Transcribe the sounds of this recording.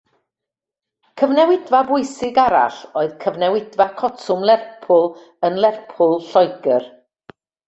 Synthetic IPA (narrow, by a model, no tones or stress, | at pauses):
kʰəvnɛwɪdvabʊɨsɪɡaɾa̰ɬoːɨð̥kʰəvnɛwɪdvakʰɔtʰʊmlˠɛrpʰʊlˠ | ənlˠɛrpʰʊlˠɬɔjɡər